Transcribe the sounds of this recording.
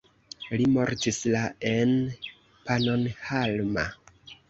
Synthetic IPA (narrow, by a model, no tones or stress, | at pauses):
limo̞ɾtislaen | pano̞nhalma̰